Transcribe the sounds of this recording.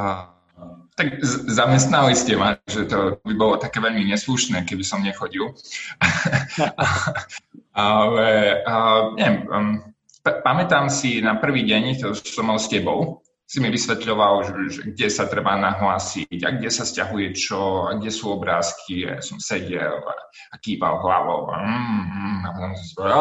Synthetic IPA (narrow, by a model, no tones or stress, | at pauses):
t̪aɡzamɛst̪naliscɛmat̪aɡʒɛt̪ɔt̪ɔbibɔlɔt̪akɛːʋɛʎmiɲɛsluʃnɛːkɛbisɔmɲɛxɔɟil | ʔa | alɛ | ɲɛɛm | ppamɛt̪aːmsinapr̩ʋiːɟɛɲt̪ɔsɔmːalscɛbɔʊ | simiʋisʋɛt̪ʎɔʋalʒɛʒɛ̰ɡ̚ɟɛsat̪ɾɛbanaɦlaːsiɟa̰ɡ̚ɟɛsascaɦujɛt͡ʃɔa̰ɡ̚ɟɛsuːɔbɾaːskʰia̰a̰sɔmsɛɟɛ̰la̰ | akiːpa̰lɦla̰ʋɔ̰ʊa̰m̩ːapɔt̪ɔmsɔ̃sipɔ